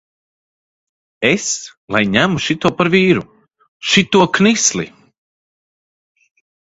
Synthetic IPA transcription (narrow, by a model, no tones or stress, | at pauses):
eslˠajɲæmuʃit̪uɔpaɾviːɾu | ʃit̪uɔknislˠḭ